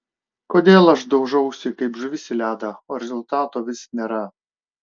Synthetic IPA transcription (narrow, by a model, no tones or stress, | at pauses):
koːd̪ʲeːlˠɐʃd̪ɐʊʒɐʊsʲɪkɐɪpʒʊʋʲɪsʲɪlʲæːd̪ɐoːɾʲɛzʊlˠt̪ɑːt̪oːʋʲɪsʲnʲeːɾɐ